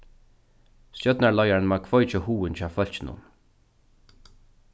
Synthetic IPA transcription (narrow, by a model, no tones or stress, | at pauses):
sjœt̪naɹɭɔjaɹnmaːkʰvɔjt͡ʃəhuːɪnt͡ɕʰɑːfœl̥t͡ʃɪnʊ̰n